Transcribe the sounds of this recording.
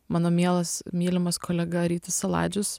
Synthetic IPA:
mɑːnoːmʲiɛlˠɐsmʲiːlʲɪmɐskʰoːlʲɛɡɐɾʲiːt̪ʲɪsɐlˠɑ̰ːd͡ʒʲʊs

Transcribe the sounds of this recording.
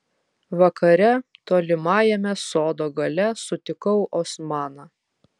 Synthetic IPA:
ʋɐkɐɾʲɛt̪oːlʲɪmɑːjɛmʲɛsoːd̪oːɡɐlʲɛsʊt̪ʲɪkɐʊʔɔsmɑːnɑ

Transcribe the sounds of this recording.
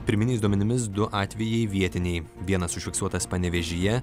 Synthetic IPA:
pʲɪɾʲmʲɪnʲɛɪsd̪uɔmʲɛnʲɪmʲɪs̬d̪ʊʔɑːt̪ʲʋʲɛjɛɪʋʲiɛt̪ʲɪnʲɛɪʋʲiɛnɐsʊʃʲfʲɪksuɔt̪ɐspɐnʲɛʋʲɛʒʲɪjɛ

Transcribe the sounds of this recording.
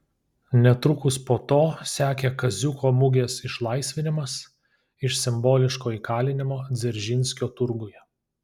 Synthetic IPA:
nʲɛt̪ɾʊkʊspoːt̪oːsʲæːkʲekɐzʲʊkʰoːmʊɡʲeːsɪʃlˠɐɪsʲʋʲɪnʲɪmɐs | ɪʃsʲɪmboːlʲɪʃkoːiːkɑːlʲɪnʲɪmoːd̪zʲɛɾʲʒʲɪnʲsʲkʲoːt̪ʊɾɡʊjɛ

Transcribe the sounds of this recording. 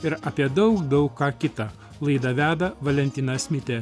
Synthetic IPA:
ɪɾɐpʲiɛd̪ɐʊkd̪ɐʊkkɑːkʲɪt̪ɐ | lˠɐɪd̪ɐʋʲæːd̪ɐʋɐlʲɛnʲt̪ʲɪnɐsʲmʲɪt̪ʲe

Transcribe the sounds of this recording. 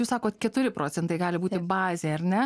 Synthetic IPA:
uːsɑːkoːt̪kʲɛt̪ʊɾʲɪpɾʔoːt͡s̪ʲsʲɛnt̪ɐɪɡɑːlʲɪbuːt̪ʲɪbɑːzʲeːɐɾʲnʲɛ

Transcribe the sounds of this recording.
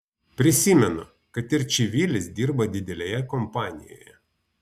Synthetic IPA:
pʲɾʲɪsʲimʲɛnʊ̰ | kɐt̪ɪɾt͡ʃʲɪʋʲilʲɪsd̪ʲiɾbɐd̪ʲɪd̪ʲɛlʲɛjɛkɔmpɑːnʲɪ̰jɔ̰jɛ

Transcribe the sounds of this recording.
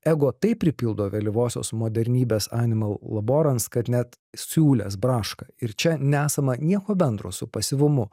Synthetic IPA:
æːɡoːt̪ɐɪpʲɾʲɪpʲɪlˠd̪oːʋʲɛlʲɪʋoːsʲo̰ːsmoːd̪ʲɛɾʲnʲiːbʲeːsɑːnʲɪmɐlˠlˠɐboːɾɐnskɐt̪nʲɛt̪ | sʲuːlʲɛ̰s̬bɾɑːʃkɐɪɾt͡ʃʲɛnʲɛæːsɐmɐnʲiɛkoːbʲɛnd̪ɾo̰ːsʊpɐsʲɪʋʊmʊ

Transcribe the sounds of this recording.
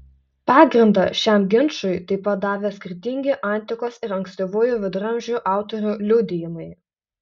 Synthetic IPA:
pɑːɡɾʲɪnd̪ɑʃʲæmɡʲɪnʃʊɪt̪ɐɪpɐt̪̚d̪ɑːʋʲeːsʲkʲɪɾʲt̪ʲɪŋʲɡʲɪʔɐˑnʲˑt̪ʲɪkoːsɪɾɐŋksʲt̪ʲoʋoːjuʋʲɪd̪ɾɐmʲʒʲuʔɑˑʊt̪ɔɾʲulʲʊd̪ʲɪjɪmɐɪ

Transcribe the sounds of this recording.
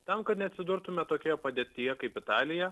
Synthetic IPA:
t̪ɐmkɐt̪nʲɛɐt̪ʲsʲɪd̪ʊɾt̪ʊmʲɛt̪oːkʲoːjɛpɐd̪ʲeːt̪ʲɪjɛkɐɪpɪt̪ɑːlʲɪjɛ

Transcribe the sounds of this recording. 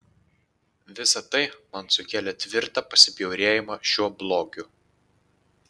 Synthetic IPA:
ʋʲɪsɐt̪ɐɪmɐnsʊkʲæːlʲɛt̪ʲʋʲɪɾt̪ɑːpɐsʲɪpʲjɛʊɾʲeːjɪmɑʃʲuɔblˠoːɡʲʊ

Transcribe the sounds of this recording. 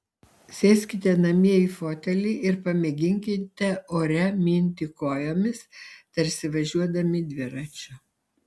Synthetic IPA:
sʲɛːsʲkʲɪt̪ʲɛnɐmʲiɛiːfoːt̪ʲɛlʲiːʔɪɾpɐmʲɛɡʲɪŋʲkʲɪt̪ʲɛoːɾʲɛmʲiːnʲt̪ʲikoːjoːmʲɪst̪ɐɾʲsʲɪʋɐʒʲuɔd̪ɐmʲɪd̪ʲʋʲɪɾɐt͡ʃʲʊ

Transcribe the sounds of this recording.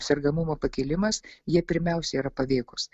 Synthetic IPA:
sʲɛɾɡɐmʊmoːpɐkʲɪlʲɪmɐsjiɛpʲɪɾʲmʲɛˑʊsʲɛiːɾɐpɐʋʲeːkʊs

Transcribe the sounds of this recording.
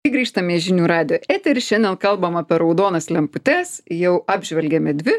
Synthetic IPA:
ɪɡɾʲiːʃt̪ɐmʲeːʒʲɪnʲuːɾɑːd̪ʲɪjoːʔæːt̪ʲɛɾʲɪʃʲɛnʲd̪ʲɛnkɐlˠbɐmɐpʲɛɾɐʊd̪oːnɐslʲɛmpʊt̪ʲɛsjɛʊɑːbʲʒʲʋʲɛlʲɡʲɛmʲɛd̪ʲʋʲɪ

